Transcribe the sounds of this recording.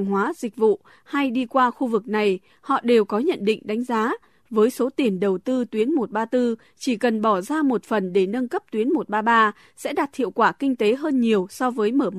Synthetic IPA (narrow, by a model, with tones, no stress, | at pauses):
ŋɦwaː˨˦zï˨˩k̟̚vṵ˧˨ | ha˧jɗi˧kwaː˧xu˧vɨ˨˩k̚na˨˩j | hɔ̰˧˨ɗe˨˩wkɔ˨˦ɲə̰˧˨nɗḭ˧˨ŋ̟ɗa˨˦ŋ̟zaː˨˦ | vəː˨˦jso˨˦t̪i˨˩ənɗə˨˩wt̪ɨ˧t̪wi˨˦ənmo˨˩t̚ɓaː˧t̪ɨ˧ | t͡ɕi˧˩kə˨˩nɓɔ˧˩zaː˧mo˨˩t̚fə˨˩nɗe˧˩nə˧nkə˦˥p̚t̪wi˨˦ənmo˨˩t̚ɓaː˧ɓaː˧ | sɛ̰˧˥ɗa˨˩t̚hʰḭ˧˨əwkwaː˧˩kï˧ŋ̟t̪e˨˦ɦəː˧nɲi˨˩əwsɔ˧vəː˨˦jməː˧˩